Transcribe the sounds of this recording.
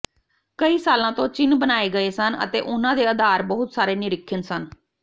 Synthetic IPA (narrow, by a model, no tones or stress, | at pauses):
kəiːsaːlãːt̪õːt͡ʃɪnbənaːeːɡəeːsənə̰t̪ḛːʔʊnãːd̪eːəd̪ʱaːɾbəɦʊt̪saːɾeːnɪɾɪkʰːɪnsən